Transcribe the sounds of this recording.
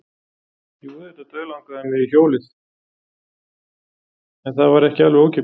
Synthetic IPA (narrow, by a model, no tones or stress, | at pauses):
iuðɛt̪at̪œːlawŋkaðɛnɪðiçoːwlɪs | ɛnθaðvaɾɛhcɪaloːwcɪ